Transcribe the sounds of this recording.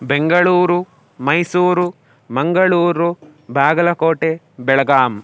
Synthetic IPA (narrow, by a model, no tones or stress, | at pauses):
beŋɡɐɭuːɾu | mɐjsuːɾu | mɐŋɡɐɭuːɾubʱaːɡɐlɐkoːʈeː | bɛɭɐɡaːm